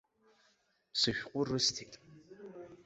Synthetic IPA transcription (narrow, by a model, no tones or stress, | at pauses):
sɨɕʷᶣqʷʼʊrɨstʰiːtʼ